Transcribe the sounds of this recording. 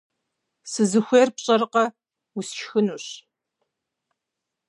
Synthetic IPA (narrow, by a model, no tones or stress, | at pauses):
sɨzɨxʷeːrpɕʼɐrqɐ | usʃxɨnuːɕ